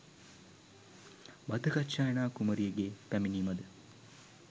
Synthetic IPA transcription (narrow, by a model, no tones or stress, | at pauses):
bɐd̪ʱɐkɐtːt͡ʃːaːjɐɳaːkumɐɾijɐɡepæminiːmɐd̪ə